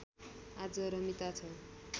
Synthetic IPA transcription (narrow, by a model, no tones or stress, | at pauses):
ad͡zʌɾʌmit̪at͡sʰʌ